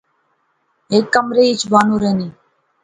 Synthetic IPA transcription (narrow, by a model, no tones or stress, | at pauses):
eːkːəmɾeːɪt͡ʃʰbaːnũːɾeːniː